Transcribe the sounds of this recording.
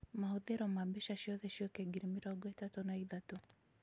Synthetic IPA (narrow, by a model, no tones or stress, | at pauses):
mahoðɛɾɔmabɛʃaʃiɔðɛʃiɔkɛɡiɾimiɾaɡwɛtatɔnaiðatɔ